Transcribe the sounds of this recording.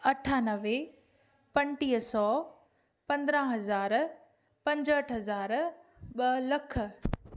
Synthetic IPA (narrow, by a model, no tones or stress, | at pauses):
ɐʈʰaːnɐʋe | pɐ̃ɳʈiːɦsɔː | pɐ̃nd̪ɾãɦɐzaːɾ | pɐ̃ɲd͡ʑəʈʰɦɐzaːɾɓɐlɐk̆ʰ